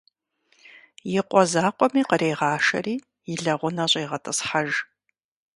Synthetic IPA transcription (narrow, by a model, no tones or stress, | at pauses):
jɪqʷʼɔzaːqʷɔmiːqəɾeːʁɑːʃɐ̰riː | jɪɮɐʁʷʊnɐɕʼejʁɐtʼɨsħaʒ